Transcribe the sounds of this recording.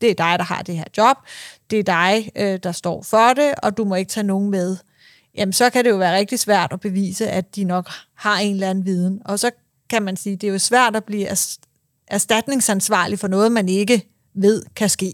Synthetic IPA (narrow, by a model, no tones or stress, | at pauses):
d̥e̝æɐd̥ɑ̈ɪɾ̥ɑ̈ɦɑ̰̈d̥e̝he̝ɐ̰d̥jɒ̽b̥̚d̥e̝æɐd̥ɑ̈ɪød̥ɑ̈sd̥ɒ̰ːfɒɾe̝ɒ̽d̥umɒ̽e̝ɡ̥t͡sʰɛ̰ːno̝ːn̩með̞ˠ | jæmnsɒ̽kʰæɾe̝jo̝ʋæːɐʁeɡ̥̚d̥isʋæɐ̰d̥ɒb̥e̝ʋḭːsəʔæd̥inɒ̽ɡ̥hɑ̈e̝nlænn̩ʋiːð̞ˠn̩ɒ̽sɒ̽ | kʰæmænsiːd̥e̝æjo̝sʋæɐ̰d̥ɒb̥liːæ | ʔæɐsd̥æd̥ne̝ŋsænsʋɑ̰̈ːlifɒ̽nɔ̽ːð̞̩ˠmæne̝ɡ̥ə | ʋe̝ð̞̰ˠkʰæsɡ̥e̝̰ː